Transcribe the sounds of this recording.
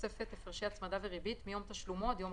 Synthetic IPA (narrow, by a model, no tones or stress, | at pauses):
sefet̪efaʁʃiat͡smad̪aveʁibit̪mijo̞mt̪aʃlumo̞t̪jo̞m